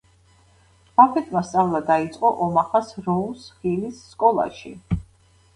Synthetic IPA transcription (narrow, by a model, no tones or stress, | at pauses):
apʰɛt̪ʰmast̪sʼavlˠad̪ait̪sʼqʼɔʔɔmaχasɾɔumsχilisːkʼɔlˠa̰ʃḭ